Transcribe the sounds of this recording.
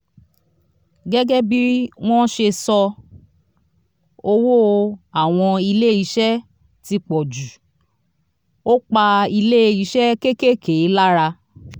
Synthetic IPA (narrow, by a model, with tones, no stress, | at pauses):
ɡɛ˦ɡɛ˦bi˦w̃ɔ̃˦ʃe˧sɔ˧ | o˧wo˦a˨w̃ɔ̃˧i˧le˦˨i˨˧˦ʃɛ˦ | ti˧k͡pɔ˨d͡ʒu˨ | o˦k͡pa˧i˧le˦i˨˦ʃɛ˦ke˦ke˦˨ke˨˦la˦ɾa˧